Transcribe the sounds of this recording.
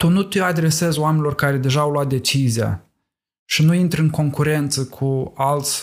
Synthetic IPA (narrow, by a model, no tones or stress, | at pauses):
t̪unut̪ead̪ɾe̞se̞zoamenilo̞rkaɾe̞d̪e̞ʒaːwloat̪̚d̪e̞t͡ʃizija̰ | ʃinuint̪ɾʲɨŋko̞ŋkuɾe̞nt̪səkʰualt̪sʲ